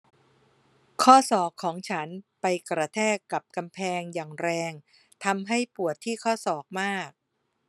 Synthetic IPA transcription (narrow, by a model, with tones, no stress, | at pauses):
kʰɔː˥˩sɔː˨˩kʰːɔː˩˦ŋt͡ɕʰa˦˥npa˧jkɾa˧t̪ʰɛː˥˩kːa˨˩p̚ka˧mpʰɛː˧ŋjaː˨˩ŋɾɛː˧ŋ | t̪ʰa˧mɦa˥˩jpu˨˩ət̪ʰːiː˥˩kʰɔː˥˩sɔː˨˩k̚maː˥˩k̚